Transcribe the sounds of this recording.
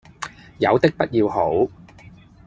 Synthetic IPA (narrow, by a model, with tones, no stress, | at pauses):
jɐ˨˧wt̪ɪ˥k̚pɐ˥t̚jiː˧wɦo˨˥w